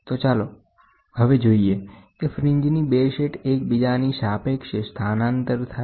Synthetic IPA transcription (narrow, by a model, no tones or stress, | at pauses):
t̪ot͡ʃalo | həʋed͡ʒoiekefɾɪɲd͡ʒnibeʃeʈekbid͡ʒaniʃapekʃest̪ʰanant̪əɾt̪ʰa